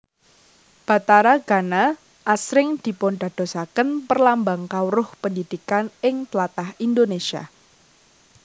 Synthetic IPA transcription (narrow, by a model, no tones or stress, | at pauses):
b̥a̤t̪aɾaɡ̥a̤na | ʔasɾɪŋd̪̥i̤ponɖ̥a̤d̪̥o̤sakənpərlambaŋkawɾʊhpəndid̪̥ikanɪŋt̪əlat̪ahind̪onesia̰